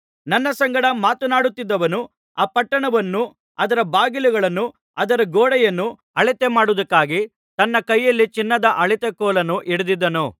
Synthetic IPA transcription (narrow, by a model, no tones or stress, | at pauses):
nɐnːɐsɐŋɡɐɽɐmaːt̪unaːɽut̪ːid̪ːɐʋɐnu | aːpɐʈːɐɳɐʋɐnːu | ɐd̪ɐɾɐbaːɡiluɡɐɭɐnːu | ɐd̪ɐɾɐɡoːɽɛjɐnːu | ɐɭit̪emaːɽud̪ɐkːaːɡi | t̪ɐnːɐkɐjːɐlːit͡ʃinːɐd̪ɐʔɐɭit̪ekɔːlɐnuʔiɽud̪id̪ːɐnu